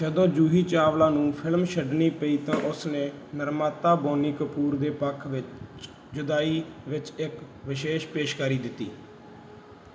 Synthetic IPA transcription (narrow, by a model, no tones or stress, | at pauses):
d͡ʒəd̪õːd͡ʒuːɦiːt͡ʃaːʋlaːnũːpʰɪlmʃəɖɳiːpəiːt̪ãːʔʊsneːnəɾmaːt̪aːboːniːkəpuːɾd̪eːpəkʰʋɪt͡ʃ | d͡ʒʊd̪aːiːʋɪt͡ʃɪkʋɪʃeːʃpeːʃkaːɾiːd̪ɪt̪ːiː